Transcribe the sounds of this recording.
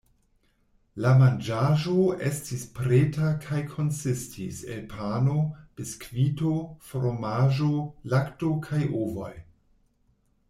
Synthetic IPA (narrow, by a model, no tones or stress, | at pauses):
lamand͡ʒaʒoe̞̰stispɾetakʰajkʰo̞nsistʰḭse̞̰lpʰano̞d̥eskvitofɾomaʒolakto̞kʰajʔovo̰j